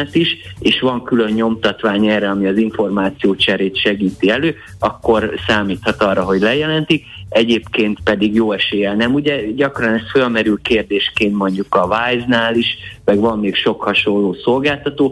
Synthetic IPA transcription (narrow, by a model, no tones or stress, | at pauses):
ɛt̪iʃeːʃʋɒŋkylø̞ɲɲo̞mt̪ɒt̪ʋaːɲɛːrɛɒmiɒziɱfo̞rmaːt̪sijoːt͡ʃɛɾeːt̪ʃɛɡiːt̪iɛløː | ɒkːo̞rsaːmiːt̪hɒt̪ɒːrːɒɦo̞ɟlɛjɛlɛnt̪ikɛɟeːpkeːnt̪pɛd̪iɡjoːɛʃeːjɛnɛmuɟɛɟɒkrɒnɛst̪følmɛɾylkeːrd̪eːʃkeːnt̪mo̞ɲɟukɒvajznaːliʃmɛɡʋɒmːeːkʃo̞khɒʃo̞lːoːso̞lɡaːlt̪ɒt̪oː